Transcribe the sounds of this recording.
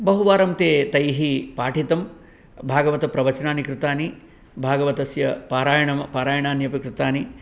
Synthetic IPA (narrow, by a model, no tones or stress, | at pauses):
bɐɦuʋaːɾɐmt̪eːt̪ɐjɦipaːʈʰit̪ɐm | bʱaːɡɐʋɐt̪ɐpɾɐʋɐt͡ʃnaːnikɾɪt̪aːni | bʱaːɡɐʋɐt̪ɐsjɐpaːɾaːjɐɳɐmɐpaːɾaːjɐɳaːnjɐpɐkɾɪt̪aːni